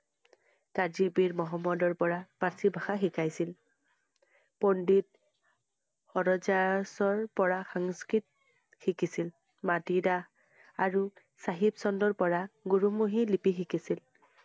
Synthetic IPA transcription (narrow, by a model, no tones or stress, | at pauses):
kaɹzibiɹmɔɦɔmːɔdɔɹpɔɹapasibʱaxaxikajsil | pondit | xɔɹɔd͡ʒasɔɹpɔɹaxɔŋskɹit̚ | xikisil | matida | aɹu | saɦibsɔndɔɹpɔɹaɡuɹumuɦilipixikisil